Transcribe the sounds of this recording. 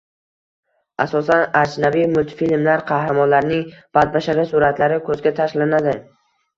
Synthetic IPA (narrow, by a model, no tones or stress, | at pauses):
ʔasɒsanad͡ʒnavimʊlˠt̪filmlaɾqʰɑhɾamɒnlaɾnɪŋb̥ad̪̚baʃaɾʲɪsʊɾat̪laɾɪkʰɵzɡʲat̪ʰaʃlanad̪ɪ